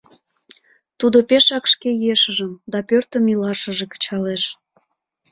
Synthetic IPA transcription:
t̪ud̪opeʃɑkʃkejeʃəʒəmd̪ɑpørt̪əmilɑʃə̆ʒekə̥t͡ɕɑleʃ

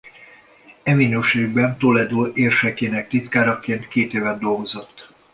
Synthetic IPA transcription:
ɛminøːʃeːɡ̚bɛnt̪olɛjd̪oːʔeːrʃɛkeːnɛk̚t̪it̪kaːɾɒkeːnt̪keːt̪eːvɛd̪ːo̞lɡo̞zo̞t̪ː

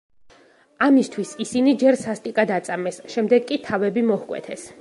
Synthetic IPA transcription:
amist̪ʰwisisinid͡ʒɛɾsast̪ʼikʼad̪at̪sʼamɛsʃɛmd̪ɛɡkʼːit̪ʰavɛbimɔhkʼwɛ̰t̪ʰɛs

